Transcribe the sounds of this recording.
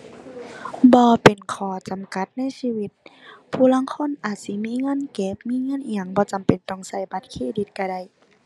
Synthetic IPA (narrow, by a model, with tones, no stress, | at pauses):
bɔː˧˦pe˨˩nkʰɔː˨˩˦t͡ɕa˨˩mka˧˦t̪̚na˧˥˨jsiː˧˨wi˧˦t̪̚pʰuː˧˩˨la˧˥˨ŋkʰo˧˥˨nʔaː˨˩t̪̚si˧˦miː˧˥˨ŋɤː˧˥˨nkeː˧˦p̚miː˧˥˨ŋɤː˧˥˨nʔi˧˨a˧˩˨ŋbɔː˧˦t͡ɕa˨˩mpe˨˩nt̪ɔ˧˩ŋsa˧˩jba˧˦t̪̚kʰeː˧˨di˧˦t̪̚ka˧˩da˧˩˨j